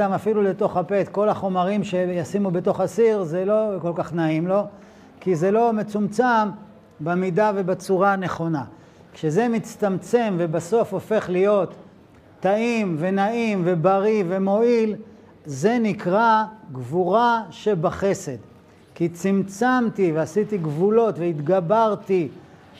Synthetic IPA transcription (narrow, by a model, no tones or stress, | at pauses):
amafilule̞t̪o̞χape̞t̪ko̞laχo̞maʁimʃe̞jasimube̞t̪o̞χasiʁzelo̞ko̞lkaχnaimlo̞ | kize̞lo̞me̞t͡sumt͡sam | bamidave̞bat͡suʁane̞χo̞na | kʃeze̞mit͡st̪amt͡se̞mvebaso̞fo̞fe̞χlijo̞t̪ː | aimve̞naimvebaʁive̞mo̞il | ze̞nikʁaɡvuʁaʃe̞baχe̞se̞d̪ | kit͡simt͡samt̪iveasit̪iɡvulo̞t̪veit̪ɡabaʁt̪i